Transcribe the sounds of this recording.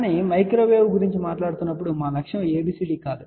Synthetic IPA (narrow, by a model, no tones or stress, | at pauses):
nimɐjkɾoːʋeːʋɡuɾiɲt͡ʃimaːʈlaːɽut̪unːɐp̬ːuɽumaːnɐkʂɐmeːbiːsiʈiːkaːd̪u